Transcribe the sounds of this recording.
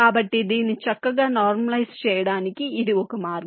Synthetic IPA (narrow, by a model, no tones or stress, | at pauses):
aːbɐʈːid̪iːnːit͡ʃɐkːɐɡaːnaːɾmɐlɐjst͡ʃɛːjɐɽaːnikiːd̪iɔkɐmaːɾɡɐ